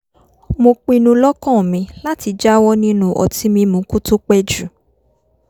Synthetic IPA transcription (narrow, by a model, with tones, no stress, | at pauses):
mo˧k͡pĩ˧nũ˧lɔ˦kɔ̃˦˨mĩ˨˧la˦ti˧d͡ʒa˦wɔ˦nĩ˦nũ˧ʔɔ̰˨ti˦mĩ˧mũ˨˦ku˦to˦k͡pɛ˦d͡ʒu˨